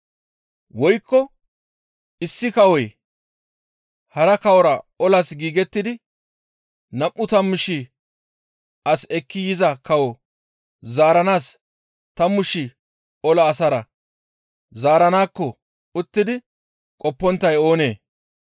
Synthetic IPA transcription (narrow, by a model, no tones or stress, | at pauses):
wɔjkːɔ | ɪsːɪkɐwɔj | hɐɾɐkɐwɔɾɐɔlɐsɡiːɡɛt̪ːɪd̪ɪ | nɐmʔːʊt̪ɐmːʊʃi | ʔɐsɛkːɪjɪzɐkɐwɔ | zaːɾɐnaːs | t̪ɐmːʊʃi | ɔlɐːsɐɾɐ | zaːɾɐnaːkːɔ | ʊt̪ːɪd̪ɪ | kʼɔpːɔnt̪ːɐjo̞ːne̞ː